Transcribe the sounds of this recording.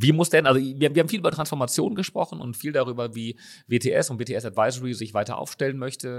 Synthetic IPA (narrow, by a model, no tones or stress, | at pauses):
viːmʊsd̥ɛnʔalzoviɐhaːm̩viɐhaːm̩fiːlʔyːbɐtʁ̥ansfɔɐmat͡sjo̰ːnɡəʃpʁ̥ɔχn̩ʊ̰ntfiːldaʁyːbɐviː | veːtʰeːʔɛ̰sʊntv̥eːtʰeːɛsadvaɪzəʁizɪçv̥aɪtɐ̰ʔa̰ʊfʃtɛlənmœçtə